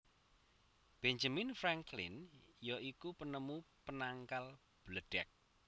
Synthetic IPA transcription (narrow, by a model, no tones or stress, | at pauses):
b̥ɛɲd͡ʒaminfɾaŋklɪ̰njɔʔikupənəmupənaŋkal | b̥ləɖ̥ɛk̚